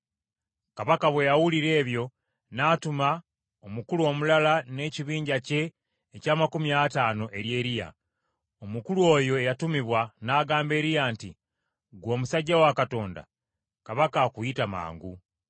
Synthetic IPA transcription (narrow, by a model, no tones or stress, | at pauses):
kaβakaβwejawuliɾe̞ːβjo̞ | naːtuma | omukuluo̞ːmulalane̞ciβiːɲɟace̞ː | caːmakumiataːno̞ʔe̞ɾje̞ːɾija̰ | omukuluwo̞ːjo̞ejatumiβwanaːɡaːmbe̞ːɾijaːnti | ɡwo̞ːmusaɟːawakato̞ːnda̰ | kaβakakuitama̰ːŋɡu